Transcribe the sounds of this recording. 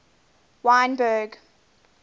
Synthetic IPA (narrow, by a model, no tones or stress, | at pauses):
wãɪ̃nbɜɡ